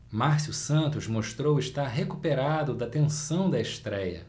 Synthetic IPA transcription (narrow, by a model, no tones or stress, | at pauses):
maɾsjusɐ̃nt̪ʊzmoʃt̪ɾowɪʃt̪aɾɦekupeɾad̪ʊd̪ɐt̪ẽsɐ̃w̃d̪ɐeʃt̪ɾɛjɐ̰